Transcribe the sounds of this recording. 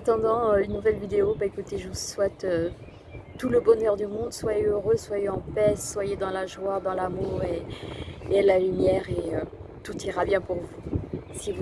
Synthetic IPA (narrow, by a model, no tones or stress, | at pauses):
at̪ɑ̃d̪ɑ̃øynːuvɛlvid̪eobaekut̪eʒəvuswɛt̪ø | t̪uləbɔnœʁd̪ymɔ̃d̪swajeøʁøswajeɑ̃pɛsswajed̪ɑ̃laʒwad̪ɑ̃lamuːʁeː | lalymjɛʁeø | t̪ut̪iʁabjɛ̃puʁvusivu